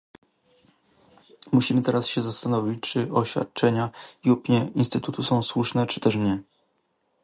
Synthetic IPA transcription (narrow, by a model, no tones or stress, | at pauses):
muɕimɘt̪ɛɾasɕɛzast̪anɔvʲit͡ɕt͡ʂɘʔɔɕfʲja̰t̪̚t͡ʂɛɲaiupɲɛinst̪ɘt̪ut̪usɔ̃w̃swuʂnɛt͡ʂɘ̥t̪ɛʂɲɛ